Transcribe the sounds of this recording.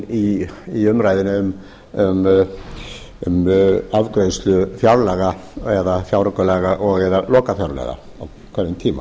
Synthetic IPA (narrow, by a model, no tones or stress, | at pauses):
iiʏmɾajðɪnaʏm | ʏm | ʏmavkɾejst̪lʏfjawɾlɛɣaɛðafjawɾɔkʏlɛːɣaʔɔɣɛðalɔːkafjawɾlɛ̰ɣa̰ | aw | kʰvɛnðɪnt̪ʰiːma̰